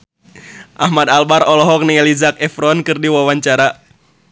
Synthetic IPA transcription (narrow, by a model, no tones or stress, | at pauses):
ʔahmad̪albaɾɔlɔɦɔk̚niɛlizak̚ɛfɾɔnkɨrdiwawaɲt͡ʃaɾa